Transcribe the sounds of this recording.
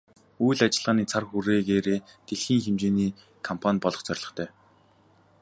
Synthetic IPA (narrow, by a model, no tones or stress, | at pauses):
ujɮat͡ɕɪ̆ɮʁaːniːt͡sʰarxuɾeːɣeːɾeːt̪eɮxiːŋxemt͡ɕeːniː | kʰɔmpʰanpɔɮɞ̆χt͡sœrʲɮɞ̆χt̪ʰœː